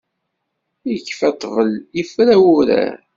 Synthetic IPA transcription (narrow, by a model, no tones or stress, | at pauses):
jəkːfæt̪ˤːvəljəfɾæwuɾæ̰